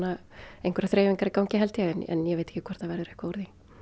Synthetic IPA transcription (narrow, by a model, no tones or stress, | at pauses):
naejŋkvɛɾaθɾeːjviŋkaɾɪkawŋcɪɦɛlt̪ɪaɛnɛ̰njɛveːt̪ɛhcːɪkʰvɛɾ̥θavɛɾðʏɾɛhkaɔːɾði